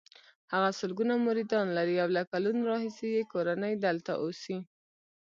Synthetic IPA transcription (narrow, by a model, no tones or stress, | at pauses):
haɣasʊlɡunamʊɾid̪ɑnlaɾiawlakalunɾɑhisejekoɾanəjd̪alt̪a̰ʔosi